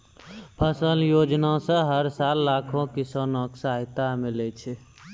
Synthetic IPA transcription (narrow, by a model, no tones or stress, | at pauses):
pʰəsəljod͡ʒnasə̃ɦəɾsalːakʰõkisənəksaɦit̪amilɛt͡ʃʰɛ